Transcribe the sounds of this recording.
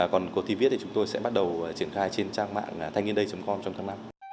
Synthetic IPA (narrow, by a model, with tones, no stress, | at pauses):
kɔ˨˩nko˨˦t̪ʰi˧˩vi˦˥t̪ʰi˨t͡ɕʊ˨˦ŋ͡mt̪o˧jsɛ̰˧˥ɓa˦˥t̚ɗə˨˩wt͡ɕi˧˩ənxaː˧jt͡ɕe˧nt͡ɕaː˧ŋma̰ː˧˨ŋː˨˩t̪ʰa˧jŋi˧ənɗə˧jt͡ɕə˨˦ŋ͡mkɔ˧nt͡ɕɔ˧ŋ͡mt̪ʰaː˨˦na˧m